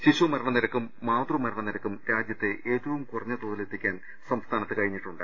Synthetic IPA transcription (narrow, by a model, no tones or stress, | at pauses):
ɕiɕɐmɐɾɐɳɐniɾɐkːumːaːt̪rumɐɾɐɳɐniɾɐkːumɾaːd͡ʑjɐt̪ːe̞ʔe̞ːt̪ːɐʋumkurɐɲːɐt̪oːðilet̪ːikʲːaːn | sɐmst̪ʰaːnɐt̪ːɨkɐɻiɲːiʈːuɳɖɨ̰